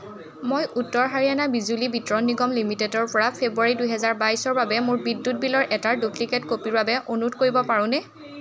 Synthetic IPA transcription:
mojʔutːɔɹɦaɹianabizulibitɹɔnːiɡɔmlimitedɔɹpɔɹapʰebuaɹidujɦɛzaɹbajsɔɹbabɛmʊɹbidːut̚bilɔɹʔɛtaɹduplikɛtkopiɹbabɛʔonutkoɹibɔpaɹʊ̃nɛ

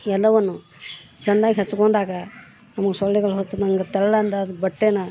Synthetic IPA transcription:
ɛlːɐʋɐnːu | t͡ʃɐnd̪aːɡiɦet͡ʃːukoɳɖ̪aːɡɐ | nɐmɐɡesɔɭːɛɡɐɭɦot͡ʃːɐd̪nɐmɡɐt̪ɛɭːɐɐnd̪ɐd̪bɐʈːenɐ

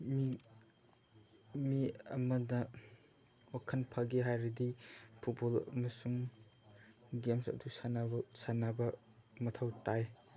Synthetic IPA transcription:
mi | miɐmɐnɐ | wakʰɐnpʰaɡiɦajɾidipʰut̚bolɐ̰mɐsuŋ | ɡemsɐ̰dusanabɐsanabɐ | mɐtʰɐwtaj

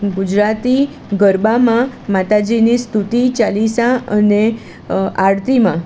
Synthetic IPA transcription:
ɡud͡ʒɾat̪i | ɡəɾbamãmat̪ad͡ʒinist̪ut̪it͡ʃalisãəne | ʔaɽt̪imã

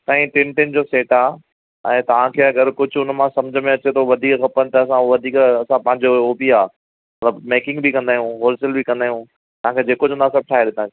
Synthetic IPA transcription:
sãːĩʈɪ̃nʈɪnd͡ʑoːseːʈaː | ɛ̃ːt̪ɐʋ̤ãkʰeːɐɡəɾkʊd͡ʑʱʊnmãsɐ̃md͡ʑʱəmẽɐt͡ɕet̪ʰoʋɐd̪ʱiːkxɐpənɪt̪ɐːs̬ãʋɐd̪ʱiːkɐsãpɐ̃ɦɪ̃ɲd͡ʑooːpiaː | mɐt̪ləbmeːkɪ̃ŋɡbikɐ̃nd̪aːɦijũɦoːlsəlbikɐ̃nd̪aːɦjũ | t̪ɐʋ̤ãkʰeːd͡ʑeːkod͡ʑõnd̪asɐb̚ʈʰaːɦeɗ̪ɪt̪ʰã

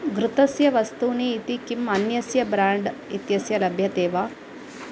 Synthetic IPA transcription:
ɡɾut̪ɐsjɐʋɐst̪uːniːt̪ikimɐnjɐsjɐbɾaːɳɖit̪jɐsjɐlɐbʱjɐt̪eːʋa

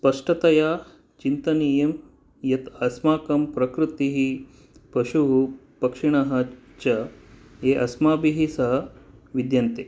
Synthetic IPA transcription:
spɐʂʈɐt̪ɐjaː | t͡ʃint̪ɐnijɐm | jɐt̪ɐsmaːkɐmpɾɐkɾut̪iɦi | pɐʃuɦu | pɐkʂiɳɐɦɐ | t͡ʃɐ | eːʔɐsmaːbiɦisɐɦɐʋid̪jɐnt̪e

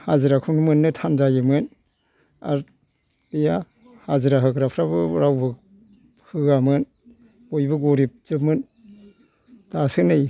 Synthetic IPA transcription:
haziɾakʰuŋmɯnːɯtʰanzajɯmɯn | a̰ɾ | ɯja | haziɾaɦɯkɾapʰɾabɯɾawbɯ | hɯamɯn | bojbɯɡoɾip̚z̥ɯp̚mɯn | tasɯnɯj

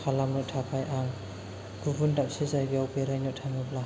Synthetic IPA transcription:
kʰalamɯtʰapʰajʔaŋ | ɡ̥ubundap̚sizajɡiawpeɾajnɔtʰamɯb̚la

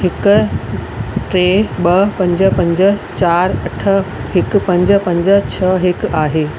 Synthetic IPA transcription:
ɦɪk | ʈɾeːɓɐpɐ̃ɲd͡ʑə̆pɐ̃ɲd͡ʑət͡ɕaːɾɐʈʰə̆ɦɪkpɐ̃ɲd͡ʑpɐ̃ɲd͡ʑə̆t͡ɕʰɐɦɪkaːɦeː

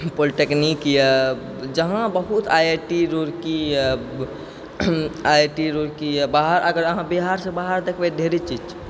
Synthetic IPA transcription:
poliʈeknikjə | d͡ʒəɦãbəɦut̪ajeʈiɾoɾki | aeʈiɾoɾkibaɦəɾʔəɡəɾəɦãbiɦaɾsẽbaɦaɾd̪ekʰbed̪ʱeɾet͡ʃid͡ʒt͡ʃt͡ʃʰ

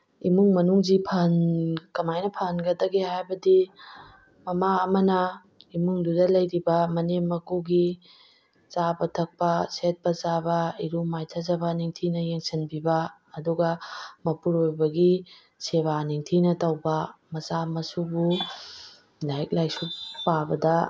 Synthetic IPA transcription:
imuŋmɐnuŋzipʰɐnkɐmajnɐpʰaɦnɡɐdɐɡeɦajbɐdi | mɐmaːmɐnɐ | imuŋdudɐlɐjɾibɐmɐnemɐkuɡi | t͡ʃabɐtʰɐk̚pɐset̚pɐzabɐiɾumajtʰɐzɐbaniŋtʰinɐjeŋsɐnbibɐː | duɡɐmɐpuɾojbɐɡi | seβaniŋtʰinɐtɐwbɐmɐzamɐsubu | lajk̚lajsupabɐdɐ

